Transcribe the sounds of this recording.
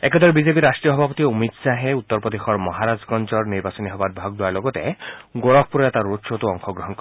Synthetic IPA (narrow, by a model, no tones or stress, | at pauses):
eked̪ɔɾebid͡ʒep̬iɾasʈɾijɔɦɔbʱapɔt̪iomit̪saɦeut̪ːɔɾpɔd̪exɔɾmɔɦaɾad͡ʒkɔnt͡ʃɔɾniɾbasɔniɦɔbad̪̚bʱaɡ̚d̪uaɾloɡɔt̪eɡoɾɔb̚ʰpuɾɔjat̪aɾːotʃot̪uɔŋxʰɔɡɾɔɦɔnkɔ